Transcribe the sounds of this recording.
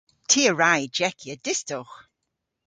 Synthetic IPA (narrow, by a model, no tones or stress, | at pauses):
tʰiːəɹajd͡ʒɛkʰjədɪstʊx